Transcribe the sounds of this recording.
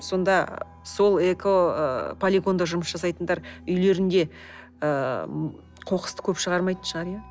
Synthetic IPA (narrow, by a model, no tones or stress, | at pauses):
so̞nd̪ɑ | so̞lˠekʰopʰolʲiɡo̞nd̪ɑʒʊɾməsʒɑs̬ɑjt̪ənd̪ɑɾʏjle̞ɾɪnd̪e̞ | ə | qʰo̞qə̥st̪ə̥kʲʰɵpʃəʁɑɾmɑjt̪ənʃəʁɑɾijɑ